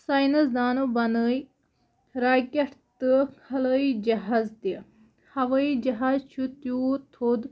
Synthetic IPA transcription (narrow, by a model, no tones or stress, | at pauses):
saːjnɐsd̪aːnubɐnəj | ɾaːkʲeʈt̪ɨkʰɐləid͡ʒɐɦaːzt̪i | hɐʋəid͡ʒɐɦaːzt͡ʃʰut̪juːt̪ʰod̪